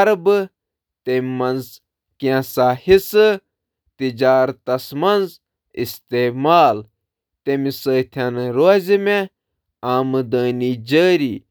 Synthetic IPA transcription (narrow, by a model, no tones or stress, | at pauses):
ɐɾbɨ | t̪emɐnz | kiãsaːhisɨ | t̪id͡ʒaːɾt̪ɐsmɐnz | ist̪eːmaːl | t̪emisəːt̪ʰɐnɾoːzime | aːmɨd̪əːniːd͡ʒəːɾiː